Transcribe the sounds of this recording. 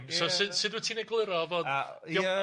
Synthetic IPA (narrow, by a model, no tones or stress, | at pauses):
sosɨdsɨd̪wətʰineɡlˠɪɾɔvod | ɔ